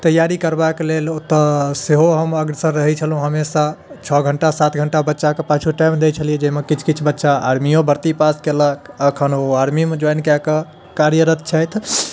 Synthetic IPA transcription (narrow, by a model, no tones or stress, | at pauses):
t̪əjaɾikəɾbakelelot̪əseɦoɦəməɡɾsə̃ɾəɦɛt͡ʃʰəlɦũɦəmesa | t͡ʃʰɔɡʱəɳʈasat̪ʰɡʱəɳʈabətːʃakepat͡ʃʰuʈajmd̪et͡ʃʰəlijɛd͡ʒəɦmekit͡ʃʰkit͡ʃʰbətːʃaa̰ɾmijõbəɾt̪ipaskeləkʰəkʰənoaɾmimed͡ʒojnkakə | kaɾjəɾət̪̚t͡ʃʰəjt̪ʰ